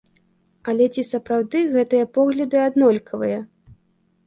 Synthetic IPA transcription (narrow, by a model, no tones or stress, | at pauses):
ɐlʲɛt͡sʲisɐpɾawd̪ɨɣɛt̪ɨjɐpɔɣlʲɐd̪ɨad̪nɔlʲkʰɐvɨjɐ